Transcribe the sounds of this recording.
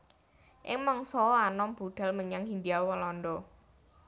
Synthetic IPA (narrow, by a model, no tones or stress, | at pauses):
ʔɪŋmɔŋsɔanɔmb̥uɖ̪̥a̤lməɲaŋɦind̪iawwəlɔndɔ